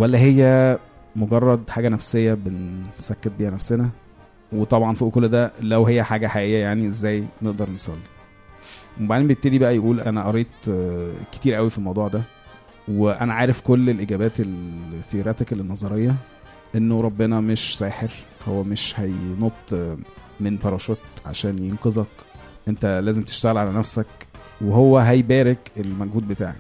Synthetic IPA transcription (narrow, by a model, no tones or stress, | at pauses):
wælːæɦejːæ | moɡɑrˤːɑd̪ħaːɡænæfsejːæbensækːet̪̚biːhænæfsenæ | wet̪ˤɑbʕɑnfiʔokolːd̪ælæwɦejːæħaːɡæħaʔejːæjaʕniʔezːæːjneʔd̪ɑɾˤnesˤɑlːi̥ | mobaʕd̪inmbejeb̚t̪ed̪ibæʔæjʔuːlʔænæʔɑɾˤiːt̪ˤ | ke̥t̪iːɾʔæwifilmɑwd̪ˤuːʕd̪æ | weʔæ̰næʕaːɾefkolːelʔiɡæːbæːt̪elfiɾæt̪æklenːɑzˤɑɾejːɑ | ʔenːoɾˤɑbːenɑmeʃsæːħeɾho̰wːæmeʃhæjnot̪ˤː | menfɑɾˤɑʃot̪ʕa̰ʃæːnjenqezˤɑkʔent̪ælæːzemt̪e̥ʃt̪æɣelʕalænæfsæk | weɦowːæɦæjbæːɾekelmæɡhuːd̪̚bet̪a̰ʕnḭ